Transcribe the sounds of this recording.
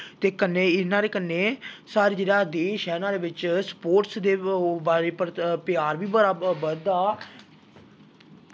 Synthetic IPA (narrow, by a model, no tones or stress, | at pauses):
t̪eːkənːeːɪnãːɾeːkənːeːsaːɾeːd͡ʒeːɽaːd̪eːʃɦɛːɪnãːɾeːʋɪt͡ʃspoːɾʈsd̪eːbaːɾeːpəɾpɪaːɾʋiːbəɾaːbəd̪aː